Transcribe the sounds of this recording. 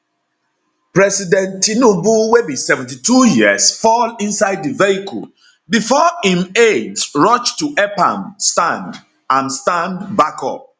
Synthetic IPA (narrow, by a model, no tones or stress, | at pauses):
pɹɛsidɛ̃ntːinobuwebisɛvɛ̃n̩titujiəsfɔlĩnsaɪd̚diveikʰɔ̰l | bifɔĩmedsɹɔt͡ʃtuʔɛpã̰mstãnd | ãnstãndbakɔ̰p̚